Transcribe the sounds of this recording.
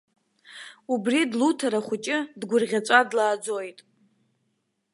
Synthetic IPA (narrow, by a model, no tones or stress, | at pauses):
ubridlutʰaɾaχʷʊt͡ʃʼɪdɡʷʊrʁʲat͡sʷʼadlaːd͡zojtʼ